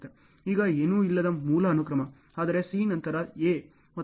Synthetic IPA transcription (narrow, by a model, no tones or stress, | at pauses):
t̪ːe | iːɡɐeːnuːilːɐd̪ɐmuːlɐːnukɾɐmɐ | aːd̪ɐɾe̞siːnɐnt̪ɐɾɐeː | mɐ